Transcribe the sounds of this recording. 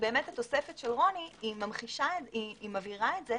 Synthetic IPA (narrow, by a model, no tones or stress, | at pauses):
be̞ːmethat̪o̞sefetʃelʁo̞niimamχiʃaeiːmaviʁaetze